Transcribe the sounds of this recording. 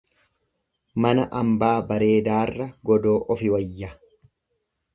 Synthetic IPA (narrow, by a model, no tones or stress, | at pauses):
mɐnɐʔɐmbaːbɐɾe̞ːd̪aːrːɐɡɔd̪o̞ːʔɔfɪwɐjːɐ